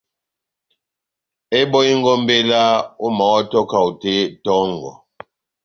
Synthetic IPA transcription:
e˦bɔ˦i˦ŋ˦ɡɔ˦mbe˦la˦u˦ma˨wa˦tɔ˦ka˨u˨te˦tɔ˦ŋ˨ɡɔ̰˨

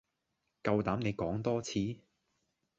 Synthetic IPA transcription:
kɐ˧wt̪aː˨˥mne˨˧jkɔː˨˥ŋt̪ɔː˥t͡sʰiː˨˧˥

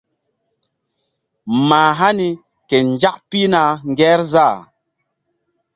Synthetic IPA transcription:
maː˨ɦa˦ni˨ | kɛ˨n˨d͡ʒa˦ʔpi˦na˨ŋ̩˨˦ɡɛː˦ɾza˦˨

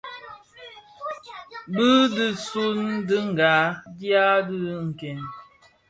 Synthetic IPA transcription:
bɨ˦dɨ˦su˦ndɨ˦ŋ̩˨ɡa˨˦dja˦dɨ˦ŋ̩˨kɛ˨n

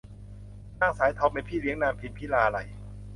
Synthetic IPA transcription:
naː˥˩ŋsaː˨˦jt̪ʰa˧˥wpe˧npʰiː˥˩li˨˦əŋnaː˧mpʰi˨˦n̚pʰiː˦˥˩laː˧ʔa˧ɾa˧j

